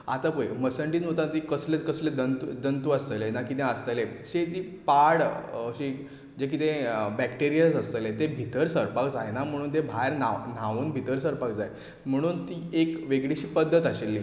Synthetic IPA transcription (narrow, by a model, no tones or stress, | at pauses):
a̰t̪apəjməsəɳʈiːnɦot̪at̪iːkəslekəsled̪ənt̪ud̪ənt̪uast̪əlenakit̪ẽəst̪əleɕed͡ʑ̪iː | paɽəɕiː | d͡ʑek̬it̪ẽbɛkʈeɾijəsəst̪əlet̪ebʱit̪əɾsəɾpakd͡zajenam̤əɽ̃uːnt̪ebʱaɾnan̤aʋuːnbʱit̪əɾsəɾpakd͡zaj | m̤əɽ̃uːnt̪iːekʋeɡɭiɕiːpəd̪ʱːət̪aɕelːiː